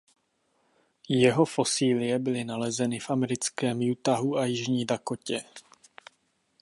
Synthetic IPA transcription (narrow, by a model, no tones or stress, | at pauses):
jɛɦo̞fo̞siːlɪjɛbɪlɪnalɛzɛnɪfʔamɛɾɪt͡skɛːmjut̪aɦuʔajɪʒɲiːdakocɛ